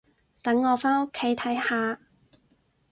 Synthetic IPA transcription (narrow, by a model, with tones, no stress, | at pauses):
t̪ɐ˨˥ŋːɔː˨˧faː˥no˥kʰːe˨˥jt̪ʰɐ˨˥jhaː˨˧